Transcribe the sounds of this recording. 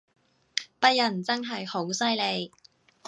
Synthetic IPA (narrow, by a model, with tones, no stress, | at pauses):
pɐ˥t̚jɐ˨˩nt͡sɐ˥nɦɐ˨jho˨˥wsɐ˥jle˨˧j